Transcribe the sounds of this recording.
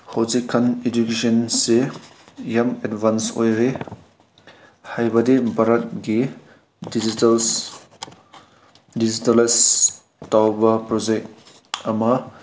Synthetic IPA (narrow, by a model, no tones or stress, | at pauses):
hawzikʰːɐned͡ʒukesɐnse | jamedbʱansojɾe | hajbɐdibʱaɾɐt̚ɡi | dizitls | dizitɐles | tawbɐpɾɔd͡ʒek̚t | ɐmɐ